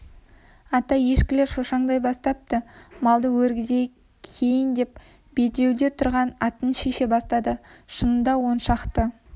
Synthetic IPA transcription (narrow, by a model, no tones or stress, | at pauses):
ɑt̪ɑje̞ʃkʲɪle̞ɾʃo̞ʃɑɴd̪ɑjbɑst̪ɑp̚t̪əmɑlˠd̪əwɵɾɡʲɪze̞ | kʲʰe̞jɪnd̪e̞p̚ | b̥e̞t̪e̞wd̪e̞t̪ʰʊɾʁɑnɑt̪ənʃeʃe̞bɑst̪ɑd̪əʃənənd̪ɑwo̞nʃɑqt̪ə